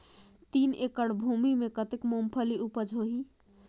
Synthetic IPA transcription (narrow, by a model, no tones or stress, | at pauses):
t̪inekəɽbʱumimekət̪ekmompʰəliupəd͡ʒʱoɦi